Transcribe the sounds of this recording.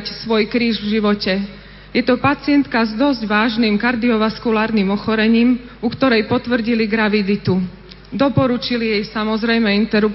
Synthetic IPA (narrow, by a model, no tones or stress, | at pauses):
csʋɔjkɾiːʒvʒiʋɔcɛ | jɛt̪ɔpat͡sɪɛnt̪kazd̪ɔzɟʋaːʒnimkaɾd̪iɔʋaskulaːɾnimɔxɔɾɛɲiːm | ukt̪ɔɾɛjpɔt̪ʋr̩ɟiliɡɾaʋid̪it̪u | d̪ɔpɔɾut͡ʃilijɛjsamɔzɾɛjmɛint̪ɛɾup